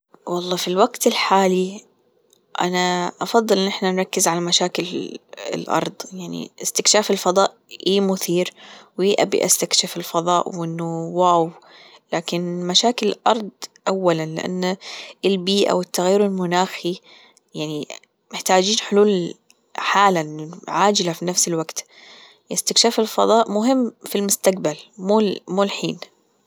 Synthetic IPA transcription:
wɑlˤːɑːfilwaɡt̪ɪlħaːli | ʔa̰naʔɑfɑðˤːɨlʔɪnːʔɪħnanɾˤɑkːɪzʕalamaʃaːkɪlɪ̰lʔɑ̰ɾˤd̪ˤjaʕnḭʔɪst̪ɪkʃaːfɪlfɑðˤɑːʔʔiːmʊθiːɾwiʔa̰bḭʔa̰st̪akʃɪfɪlfɑðˤɑ̰ːʔwʔɪnːʊwaːw | laːkɪnmaʃaːkɪlɪlʔɑɾˤd̪ˤʔawːalanlɪ̰ʔa̰nːɪlbiːʔa̰wɪt̪ːaɣjiːɾɪlmʊnaːxi | jaʕni | mɪħt̪aːd͡ʒiːnħʊluːl | ħaːlaʔɪnːʕaːd͡ʒɪlafinafsɪlwaɡt̪ | ʔɪst̪ɪkʃaːfɪlfɑðˤɑːʔmʊɦɪmːfilmʊst̪aq̚balmuːmuːlħiːn

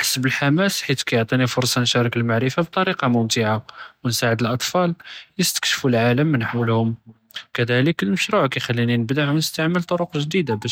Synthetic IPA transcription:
ħḁsːbəlħamæsħit̪kæjʊʕt̪ˤinifʊɾˤsˤɑnʃæɾˤɑkəlmaʕɾəfab̚t̪ˤɑɾiqɑmʊmt̪ɪʕawənsaʕəd̪əlʔɑt̪ˤfɑljəst̪ə̥kʃfulʕaləmːənħawəlhʊm | kæd̪æləkəlməʃɾuʕkæjxælːininəbd̪aʕwnəst̪aʕməlt̪ˤoɾuqʒd̪id̪abæʃ

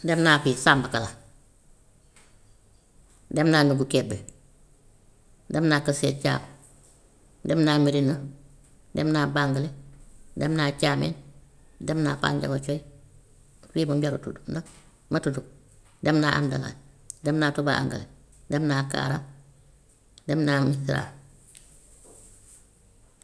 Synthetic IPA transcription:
demnaːfisaːmbakala | demnaːnuɡukebe | demnaːkaseːt͡ʃa̰ːm | demnamiɾinɐ | demnaːbaŋɡaledemnat͡ʃaːmḛn | demnaːpa̰ːnɟa̰ɡot͡ʃoj | wimubaɾutudda | matutuk̚ | demnaʔa̰mdala̰ | demnaːtuba̰a̰ŋɡa̰le | demnaka̰ːɾa | demnamisiɾa̰

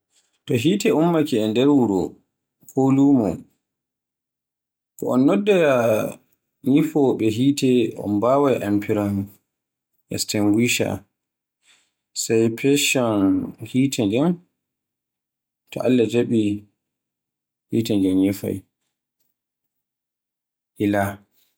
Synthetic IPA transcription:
tɔɦiːtɛumːakɛɛndɛɾwuɾɔ | kʰolumɔ̰ | kɔɔnːɔdːaja | ɲifɔɓɛɦiːtɛɔ̰nbawajʔampʰiɾɔn | ʔɛ̰stiŋɡwiʃa̰ | sajpʰɛʃɔnhiːtʰɛnd͡ʒɛn | tʰɔ̰ʔalːad͡ʒaɓi | hiːtɛnd͡ʒɛmɲifa̰j | hila

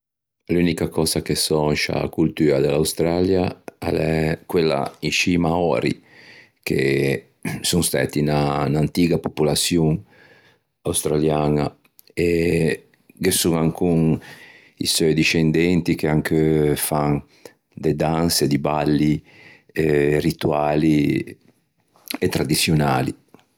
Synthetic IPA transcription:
luːnikakɔːzakesɔnʃa̰kult̪yːɾad̪elawst̪ɾaːljaɛlɛkwelːa̰inʃimaɔːɾḭ | kḛ | suŋst̪a̰ːt̪inanant̪iːɡapopulat̪sjuŋ | awst̪ɾaljaːna | e | ɡesːuŋaŋkuŋ | ḭsɔjd̪iʃend̪ɛnt̪ikeaŋkʰefaŋ | d̪ed̪ansed̪ibalːi | rit̪uaːli | et̪ːɾad̪it̪sːjonaːlḭ

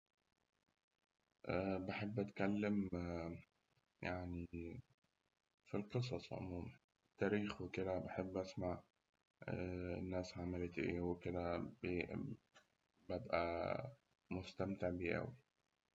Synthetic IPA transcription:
ʔæbaħebːʔæt̪kælːɪm | jaʕni | filqɨs̬ˤɑsˤʕo̰muːma | t̪ːæːɾiːxwɪkɪd̪æbaħebːʔæsmaʕ | nːæːsʕamalet̪ʔḛːwɪkɪd̪æbe | bæbʔæ̰ | mʊst̪æmt̪ɪʕbiːʔæ̰wi

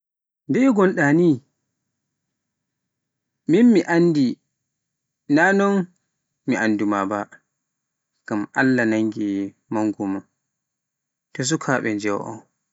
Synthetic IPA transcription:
ndɛɡɔnɗani | minmiʔandi | nanɔn | miʔandumaba | ɡ̥amʔa̰lːanaŋɡi | maŋɡuma | tɔs̬ukʰaːɓɛd͡ʒɛwʔɔ̰n

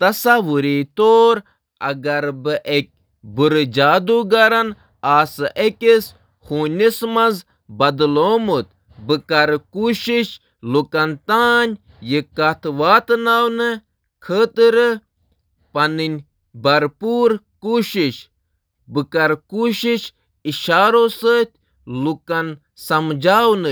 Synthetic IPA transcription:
t̪ɐsaʋuɾit̪oːɾ | ɐ̰ɡɐɾbɨʔek̚ʲ | buɾɨd͡ʒaːd̪uɡɐɾɐn | aːsɨʔekʲes | huːnʲismɐnz | bɐd̪loːmut̪̚ | bɨkɐɾkuːʃiʃ | lukɐnt̪aːnʲ | jikɐt̪ʰʋaːt̪naːwnɨ | kʰəːt̪ɨɾɨ | pɐnɨnʲ | bɐɾpuːɾkuːʃiʃ | bɨkɐɾkuːʃiʃ | iʃaːɾosəːt̪ʲ | lukɐn | sɐmd͡ʒaːwnɨ

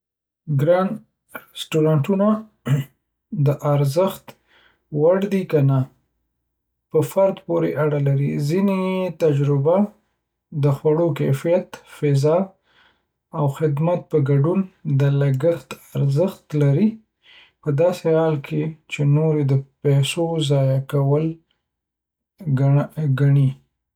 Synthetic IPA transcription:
ɡɾan | sʈuɾɑɳʈuna | d̪əʔaɾzəxt̪ | waɽd̪ikana | pəfaɾd̪poɾeʔaɽalaɾizinet̪ad͡ʒɾɪba | d̪əxwaɽokafijat̪fɪzɑ | awxɪd̪mat̪̚pəɡaɖund̪əlaɡəxt̪aɾzəxt̪laɾi | pəd̪ɑsehɑlkʰet͡ʃenoɾed̪əpɛsozɑjakawəl | ɡaɳi

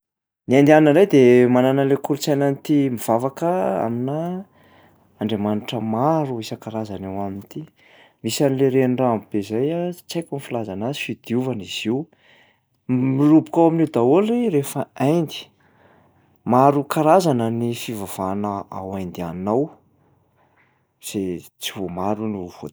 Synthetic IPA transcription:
niand̪iannəɾajd̪emananalekuɾt͡sajnanit̪imiv̥avakəa̰mina | aɳɖ͡ʐemaniʈ͡ʂəmaɾuisəkaɾazanawamint̪i | misanileɾeɳɖ͡ʐaamb̥ezajat͡sajkʲunifilazanazifid̪iuvaniz̥iw | milubu̥kawamined̪aoleɾefəajnd̪i̥ | maɾukaɾazanənifivav̥anaa̰wajnd̪ianaw | z̥et͡sivomaɾuniv̥o

